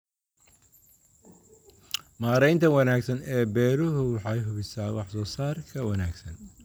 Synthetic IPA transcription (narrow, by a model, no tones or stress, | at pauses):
maːɾɛjnt̪ʰɐwɑnaːɡsɐnɛːbɛːɾʊɦʊwɑħɑjɦʊβɪsaːwɑħsɔːsaːrkʰɐwɐnaːɡsɐn